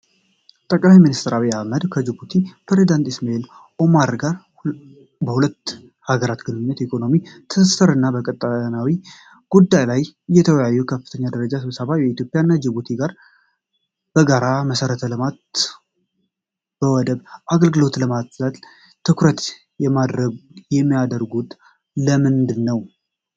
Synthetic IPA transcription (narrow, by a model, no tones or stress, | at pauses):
t̪ʼəkʼlajminist̪ʰəɾaβijahməd̪kʰəd͡ʒɪbut̪ʰipɾe̞zid̪ant̪ɪsmael | ʔo̞maɾɡaɾ | bəhulət̪ː | haɡəɾat̪ɡɨnɨɲːɛt̪ikʰo̞no̞mit̪ʰəsəsəɾɨnːabəkʼət̪ʼːanawi | ɡ̥ud̪ːajlajjːɛt̪ʰəwəjajːukʰəfːɨt̪ʰəɲːad̪əɾəd͡ʒasɨβsəβajɛit̪jo̞pʼːjanːad͡ʒɪbut̪ʰiɡaɾ | b̥əɡaɾaməsəɾət̪ʰələmat̪ | b̥əwɔd̪əβʔaɡəlɡɨlo̞t̪ləmasət̪ | t̪ʰɨkʰɾət̪ | jɛmad̪ɾəɡjɛmːijad̪əɾɡut̪ | ləmɨnd̪ɨnːəw